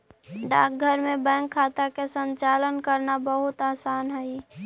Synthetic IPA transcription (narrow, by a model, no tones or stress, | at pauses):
ɖa̰ːk̚ɡʱəɾmẽbɛ̃ŋkʰːaːt̪akesə̃ɲt͡ʃaːlənkəɾnabəɦʊt̪aːsaːnɦɛi